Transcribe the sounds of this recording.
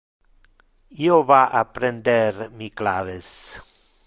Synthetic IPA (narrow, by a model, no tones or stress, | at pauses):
ioβaʔapɾend̪eɾmikla̰βes